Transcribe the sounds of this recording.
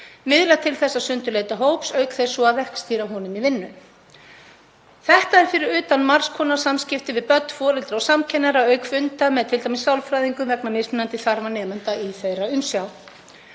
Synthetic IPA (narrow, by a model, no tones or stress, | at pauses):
mɪðlat̪ʰɪlθɛsːasʏnt̪ʏleːjt̪aɦoːwpsœːɥkθejsɔaðvɛhkst̪iːɾaɦunʏmivɪnːʏ | θɛht̪aɛɾ̥fɪɾɪɾʏːt̪anmar̥skʰɔːnḁsamscɪft̪ɪvɪðpœt̪n̥fɔːɾɛlt̪ɾaɔsamcʰɛnɛɾaœːɥkfʏnt̪amɛðt̪ʰɪlt̪ajmɪsawlfɾajðiŋkʏmvɛknamɪsmɪnant̪ɪθaɾvanɛːðmœnt̪aiθejɾaʏmsjaw